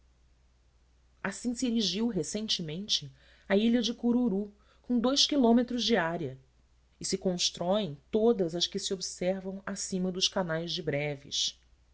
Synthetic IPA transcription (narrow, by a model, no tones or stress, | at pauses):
asĩsieɾiʒiwɦesẽnt͡ʃɪmẽnt͡ʃɪ | aiʎɐd͡ʒɪkuɾuɾu | kõd̪ojskilõmet̪ɾʊzd͡ʒiaɾiɐ | ɪsɪkõʃt̪ɾɔẽj̃t̪od̪ɐzɐskɪsiobisɛɾvɐ̃w̃asĩmɐd̪ʊʃkanajzd͡ʒɪbɾɛvḭʃ